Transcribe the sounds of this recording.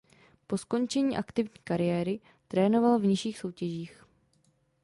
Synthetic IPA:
po̞sko̞nt͡ʃɛɲiːʔakt̪ɪvɲiːkaɾɪjɛːɾɪ | t̪ɾɛːno̞valvɲɪʃiːxso̞wcɛʒiːx

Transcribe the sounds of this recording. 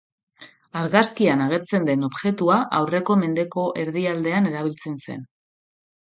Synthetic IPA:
aɾɣaskianaɣ̞e̞ɾt͡se̞nd̪e̞no̞βʝe̞t̪uaʔawre̞ko̞me̞nd̪e̞ko̞ʔe̞ɾðiald̪e̞ane̞ɾaβ̞ilt͡se̞nse̞̰n

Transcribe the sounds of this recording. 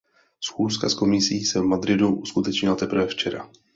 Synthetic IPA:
sxuːskasko̞mɪsiːsɛvmad̪ɾɪduʔuskut̪ɛt͡ʃɲɪlat̪ɛpɾ̩r̩vɛft͡ʃɛɾa̰

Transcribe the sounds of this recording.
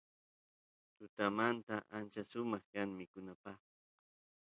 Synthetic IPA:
t̪ʊt̪amant̪aʔant͡ʃasʊmɑχkaŋmɪkʊnapaχ

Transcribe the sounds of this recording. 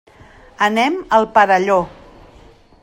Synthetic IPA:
ənɛməlˠpəðəʎo

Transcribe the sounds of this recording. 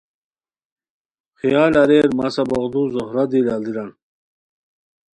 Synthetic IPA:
xijaːlɐɾeɾmasɐbɐʁd̪uzohɾad̪ilald̪iɾan

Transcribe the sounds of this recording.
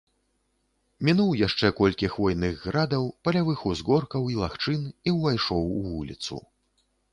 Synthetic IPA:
mʲinuwjaʂt͡ʂɛkɔlʲkʲixvɔjnɨɣːɾad̪ɐwpɐlʲavɨxuzɣɔrkɐwilˠaxt͡ʂɨniwvajʂɔwvulʲḭt̪sṵ

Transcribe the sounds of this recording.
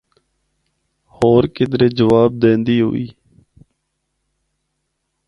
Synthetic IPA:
hoːɾkɪd̪ɾeːd͡ʒəʋaːb̚d̪ẽːnd̪iːɦo̰ḭː

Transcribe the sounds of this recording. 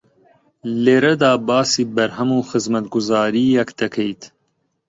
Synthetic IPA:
leːɾɐd̪aːbaːsiːbɐɾɦɐmuːxɨzmɐt̪ɡʊzaːɾiːjɛkd̪̥ɐkʰejt̪

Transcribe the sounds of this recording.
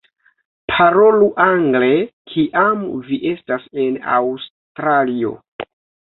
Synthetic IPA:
pʰaɾo̞luʔaŋɡle̞kʰiʔamviʔe̞stase̞na̰ws | tɾalio̞̰

